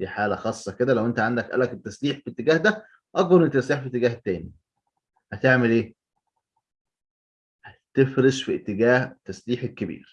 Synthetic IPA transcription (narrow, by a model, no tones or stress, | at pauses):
d̪iːħaːlæxɑːsˤːɑked̪ælæwʔent̪æʕand̪ækʔæ̰læket̪ːæsliːħfit̪ːeɡæːhd̪æ | ʔɑɡwɑlenet̪ːæsliːħfiʔt̪ːeɡæːht̪ːæːni | hæt̪eʕmelʔeː | hæt̪efɾeʃfiʔet̪ːeɡæːht̪ːæsliːħelkːebḭːɾ